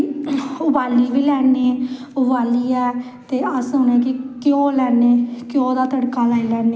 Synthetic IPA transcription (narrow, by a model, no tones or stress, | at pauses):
ʊbaːliːbiːlɛːneː | ʊbaːliːɛː | t̪eːəsʊnɛ̃ːkɪkɪjõːlɛːneːkɪjõːd̪aːt̪əɽkaːlaːilɛːneː